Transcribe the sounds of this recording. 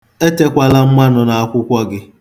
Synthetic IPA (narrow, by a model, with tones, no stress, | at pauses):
e˦te˦kʷa˦la˦m̩˦ma˦nɔ˨na˨a˦kʷʊ˦kʷɔ˦ɡɪ˦